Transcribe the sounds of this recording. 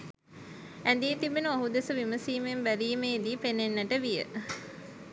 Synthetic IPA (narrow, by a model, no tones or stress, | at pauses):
ænd̪iːt̪ibenuaɦud̪esəʋiməsiːmembæɾiːmeːd̪iːpenːenːəʈəʋijə̰